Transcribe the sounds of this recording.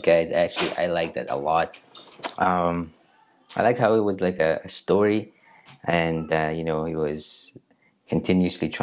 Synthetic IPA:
ɡ̥aɪzæk̚t͡ʃʉl̩ˠiʔa̰ɪlaɪk̚ðɨ̰ɾə̰lɔt̚ʔʌ̃m | aɪlaɪkt̚haʊɨt̚wʌzlaɪkɨɨstɔɹi | ʔɨ̃nʌjɨnoʊhiwʌz̥ | kʰɨ̃n̩tʰɪ̃njʉɨslitʰɹ̥a

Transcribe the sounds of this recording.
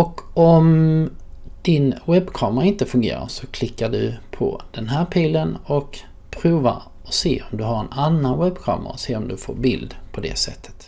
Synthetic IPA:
ɔkɔm | d̪̥ɪnwɛbːkʰɑːmɾaɪnt̪əfɵŋɡḛːɾa̰ʂɔkʰlɪkːaɖɵpʰɔ̰d̪̥ɛnɦæːɾpʰiːlənɔk | pʰɾuːva̰ɾ | ɔsḛːɔmd̪ɵɦaɾɛnanːanwɛbkʰɑ̰ːmə̰ɾa̰ɔseːɔmd̪ɵfo̰ːɾbɪld̪pʰɔd̪ɛ̰sɛt̪ʰːə̥t̪

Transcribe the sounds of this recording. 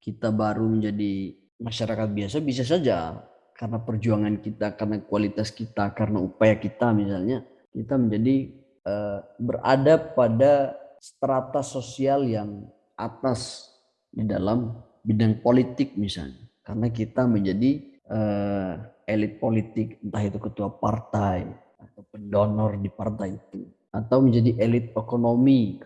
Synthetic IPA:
kit̪abaɾuməɲd͡ʒadi | maʃaɾakat̪̚biasabis̬as̬ad͡ʒa | kaɾənapərd͡ʒuaŋankit̪akarnakualit̪askit̪akarənaupajakit̪amis̬alɲa | kit̪aməɲd͡ʒadi | əbəra̰dapadasət̪ɾat̪asosialjaŋ | at̪as | dida̰lam | bidaŋpolit̪ɪk̚misa̰lɲakarənakit̪aməɲd͡ʒadi | ə | elit̪̚polit̪ɪk̚ənt̪aɦit̪ukət̪uapart̪aj | at̪awpəndonɔrdipart̪ajit̪u | at̪awməɲd͡ʒadiʔelɪt̪̚ekonomi

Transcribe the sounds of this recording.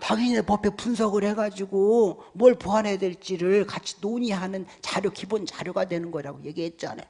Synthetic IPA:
taɡiɲinepʌpʰepunsʰʌɡɯɭhe̞ɡad͡ʑiɡomwʌɭpoɦanɦedweɭt͡ɕ͈iɾɯɭkat͡ɕʰi̥noɲiɦanɯnt͡ɕaɾjokibont͡ɕaɾjoɡadwe̞nɯnɡʌiɾaɡoje̞ɡiɦe̞t̚t͡ɕ͈a̰nḛ

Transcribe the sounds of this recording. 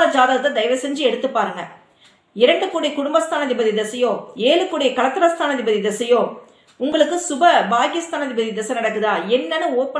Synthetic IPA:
ad͡ʒaːðaːðɯðɐd̪ɐɪʋɐsɛɲd͡ʒɯɛɽɯt̪ːɯpːaːɾɯŋɡɐ | ɪɾɐɳɖɯkːuːɽɪkʊɽʊmbɐst̪ʰaːnɐðɪbɐðid̪ɐsɐjõːeːlɯkːuːɽɪjkɐɭɐt̪ːɐɾɐst̪ʰaːnɐðɪbɐðid̪ɐsɐjõː | ʊŋɡɐɭɯkːɯsʊbɐbaːɡɪst̪aːnɐðɪbɐðid̪ɐsɐnɐɽɐkːɯðaːɛnːɐnɯoːpːɐ

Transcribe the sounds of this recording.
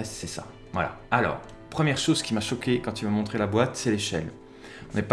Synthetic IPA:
ɛssɛsa̰ | vwala̰alɔ̰ːʁ | pχəmjɛʁʃozkʲimaʃɔkʲekɑ̃t̪ymamɔ̃t̪χelabwat̪sɛleʃɛl | ɔ̃nɛp

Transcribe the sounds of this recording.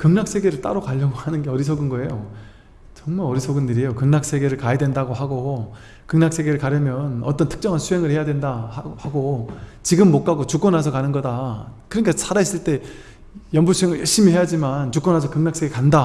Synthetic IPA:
kɯŋnak̚s͈ʰe̞ɡe̞ɾɯɭt͈a̰ɾokaʎːʌɡohanɯnɡe̞ʌɾisʰoɡɯnɡʌe̞jo | t͡ɕʌŋmaɾʌɾisʰoɡɯnːiɾijokɯŋnak̚s͈e̞ɡe̞ɾɯɭkajedwe̞ndaɡohaɡo | kɯŋnak̚s͈ʰe̞ɡe̞ɾɯɭkaɾjʌmjʌnʌt͈ʌntʰɯ̥k̚t͡ɕ͈ʌŋɦansʰuɦe̞ŋɯɭhe̞jadwendahaɡot͡ɕiɡɯmːok͈aɡot͡ɕuk͈ʌnɦasʰʌkanɯnɡʌdakɯɾʌnikʰasʰaɾais͈ɯɭt͈e̞ | jʌmbusʰueŋɯɭjʌɭɕ͈imihe̞jad͡ʑimant͡ɕuk͈ʌnɦasʰʌkɯŋnak̚s͈e̞ɡekanda

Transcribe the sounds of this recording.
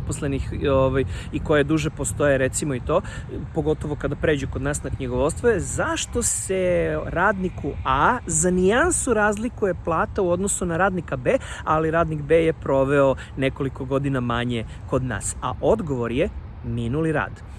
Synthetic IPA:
poslenixoʋajiko̞jed̪uʒepo̞st̪o̞jeɾe̞t̪simoit̪o̞ːpo̞ɡo̞t̪o̞ʋo̞kad̪apɾe̞ːd͡ʑukod̪naːsnakɲiɡoʋost̪ʋojezaʃt̪o̞se̞ɾaːd̪nikuazaniansuɾaːzlikuje̞plˠaːt̪auo̞d̪no̞sunaɾaːd̪nikabeːaliɾaːd̪nikbejepɾo̞ʋeo | ne̞ko̞liko̞ɡo̞d̪inamaɲe̞ | ko̞d̪na̰ːsa̰ʔo̞d̪ɡo̞ʋo̞ɾje | minuliɾa̰ːd̪

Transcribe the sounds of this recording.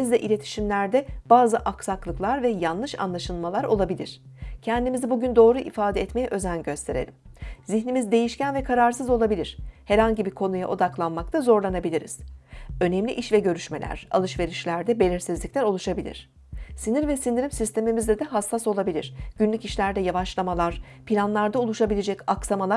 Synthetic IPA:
izd̪ɛʔilʲe̞t̪ʰi̥ʃimlʲæɾd̪ɛb̥aːzɯʔaksaklˠɯklˠaɾvɛjanlˠɯʃa̰nlˠaʃɯlˠmalˠaɾo̞̰lˠabilʲḭɾ̝̥cʰɛnd̪imizibuɟynd̪o̞ːɾuʔifaːd̪ɛɛt̪mejɛʔø̞zænɟø̞st̪ʰe̞ɾe̞̰lʲimziçnimizd̪e̞jiʃcænvɛkʰaɾaɾsɯzo̞lˠabilʲiɾ̥hɛɾhaɲɟibikʰo̞nuja̰ʔo̞d̪aklˠanmak̚t̪ʰazo̞ɾlˠanabilʲiɾḭz̥ø̞nɛmlʲiʔiʃvɛɟø̞ɾyʃme̞̰lʲæ̰ɾ̥a̰lˠɯʃve̞ɾiʃlʲæɾd̪ɛbe̞lʲiɾsizlʲiclʲæɾo̞lˠuʃabilʲḭɾ̥ | siniɾvɛsind̪iɾimsist̪ʰemimizd̪ʲɛd̪ɛɦasːaso̞lˠabilʲḭɾ̥ɟ̥ynlʲyciʃlʲæɾd̪ɛjavaʃlˠamalˠaɾ̥ | pʰilʲanlˠaɾd̪aulˠuʃabilʲed͡ʒɛcaksamalˠa

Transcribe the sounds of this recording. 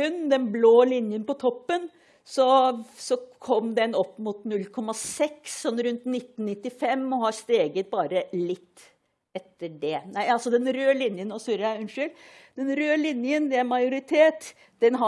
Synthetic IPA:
ʉnːd̪ɛnbloːlɪnjənpɔt̪ʰɔpːən | sɔsɔkʰɔmd̪ɛnɔpːmʊt̪nʉlːkʰɔmːɑsɛksːɔnːɾʉnt̪nɪt̪ːnːɪt̪ːɪfɛmːɔɦɑɾst̪eːɡət̪̚bɑːɾəlɪt̪ː | ɛt̪ːəɖɛnæɪɑlsɔd̪ɛnɾøːlɪnjənɔsʉɾəæʉnʂʏld̪̥ɛnɾøːlɪnjənd̪ɛæɾmɑjʊɾɪt̪ʰeːt̪ | d̪̥ɛnɦɑ

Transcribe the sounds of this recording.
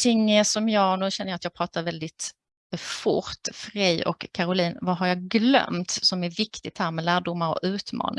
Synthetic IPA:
t̪ʰɪŋːsɔmjɑːnʉ̟ːɕɛnːəjat̪jɑːɡpɾɑːt̪aɾvɛld̪ɪt̪ | fʊ̰ɾt̪fɾɛjɔ̰kʰːaɾʊliːnvaɦaɾjɑɡlœ̰mt̪sɔmæɾvɪkt̪ɪt̪hæːɾmɛlæːɖʊmːaɾɔ̰kʉ̟ːt̪mɑ̰ːnɪ

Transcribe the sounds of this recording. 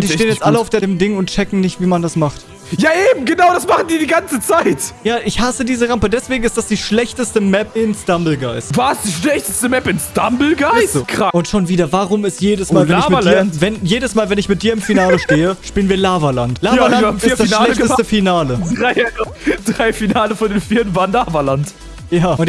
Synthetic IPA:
diːʃeːənjɛt͡stʔaləaʊfd̥eːɐeːmdɪŋʊntt͡ʃɛkŋ̩nɪçtv̥iːmandasmaχt | jaːʔeːbm̩ɡənaʊɾasmaχn̩diːɐdiːɡant͡sət͡saɪtjaːʔɪçhasədiːzəʁampədɛsv̥eːɡŋ̩ɪstd̥asd̥iːʃlɛçtəstəmɛpɪnsd̥ambl̩ɡaɪstvasd̥iːʃlɛçtəstəmɛpɪnsd̥ambl̩ɡaɪskʁ̥aʔʊntʃoːnviːdɐvaːʁʊmɪstjeːdəsmaːlvɛnɪçmɪdiːɐvɛnjeːdəsmaːlvɛnɪçmɪt̚d̥iːɐɪmfinaːləʃteːəʃpiːlənviːɐlaːvɐlantlaːalaam̩fiːɐd̥asnʃlɛçəstəfinaːlədʁaɪ | d̥ʁaɪfinaːləfɔndeːnfiːɐtn̩vaːʁənlaːvɐlant | jaːʊnt

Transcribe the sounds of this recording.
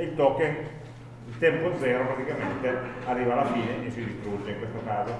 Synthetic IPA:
elt̪ɔkːeŋ | t̪ɛmpod̪zɛɾopɾat̪ikament̪earːivaːlafiːneʔesid̪ist̪ɾud͡ʒeŋkwest̪akaze

